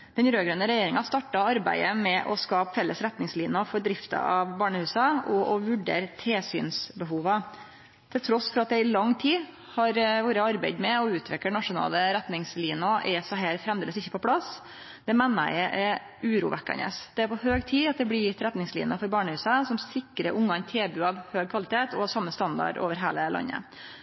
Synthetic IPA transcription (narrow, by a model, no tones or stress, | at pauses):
d̪̥ɛnɾøːɡɾœnəɾɛjeːɾɪŋɑst̪ɑʈːɑɑɾbæ̰ɪəmɛʔɔskɑːpfɛlːəsɾɛt̪nɪŋsliːnɑfɔɖ̪ɾɪft̪ɑ̰ɑʋbɑːɳəhʉːsɑɔʔɔʋʉɖḛːɾt̪ʰeːsy̰ːnsbəɦuːʋɑ | t̪ʰɪlt̪ʰɾɔsfɔɾɑt̪̚d̪ɛɪlɑŋːt̪ʰiː | hɑɾʋoːɾəɑɾbæɪd̪mɛɔʉːt̪ʰʋɪkːəɳɑʂʊnɑ̰ːləɾæt̪nɪŋsliːnɑʔɛsɔɦæːɾfɾɛmd̪eːləsɪçːə̥pɔpʰlɑs | d̪̥ɛmɛnːə̰ʔɛ | ʉːɾṵːʋʔɛ̰kːɑ̰nə̰sd̪̥ɛæɾpɔhøːɡt̪ʰiːɑt̪̚d̪ɛblɪt̪ɾɛt̪nɪŋslḭːnɑfɔɾbɑːɳəhʉːsɑsɔmsɪkːɾəʔʊŋːɑnt̪ʰeːbʉːɑʋhøːɡ̚kʰʋɑlɪt̪ʰeːt̪ɔhɑsɑmːəst̪ɑnd̪ɑ̰ɖo̰ːʋəɾɦeːləlɑ̰ɲːə̰